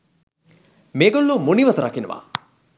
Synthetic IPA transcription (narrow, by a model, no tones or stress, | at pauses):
meːɡolːumuniʋət̪əɾakenəʋa̰